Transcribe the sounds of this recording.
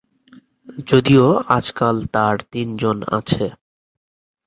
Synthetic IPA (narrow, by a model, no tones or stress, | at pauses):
d͡ʑod̪ioad͡ʑkalt̪aɾt̪ind͡ʑona̰t͡ɕʰe